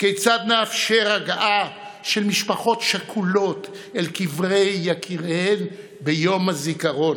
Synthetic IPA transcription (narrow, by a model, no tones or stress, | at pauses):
kejt͡sad̪nafʃeʁaɡaʔaʃe̞lmiʃpaχo̞tʃakʰulo̞t̪ | elkivʁejːakʰiʁhen | bejomazikaʁo̞n